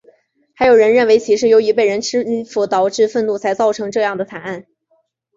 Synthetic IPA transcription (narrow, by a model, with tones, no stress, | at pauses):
xa˧˥ɪjo˨˩ʊɻə˧˥nɻə˥˩nwe˧˥ɪt͡ɕʰi˧˥ʂɻ̩˥˩jo˧˥ʊi˧˥pe˥˩ɪɻə˧˥nʈ͡ʂʰɻ̩˥i˥˩fu˧˥t̪ɑ˨˩ʊʈ͡ʂɻ̩˥˧fə˥˧nnu˥˩t͡sʰa˧˥ɪt͡sɑ˥˩ʊʈ͡ʂʰɤ˧˥ŋʈ͡ʂɤ˥˧jɑ˥˩ŋd̪ə˩t̪ʰa˨˩na˥˩n